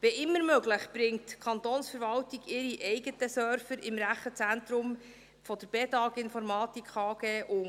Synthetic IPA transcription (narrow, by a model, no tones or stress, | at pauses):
veʔɪmːəɾmøɡləχb̥ɾɪŋtkʰɑntɔːnsfəɾvɑltiɡɪɾiʔɛjɡətəsœɾfəɾɪmɾæχət͡sænt̪ɾʊm | fɔd̥̪əɾb̥ɛtɑːɡɪnfɔɾmɑːtikʰɑːɡeːʔʊ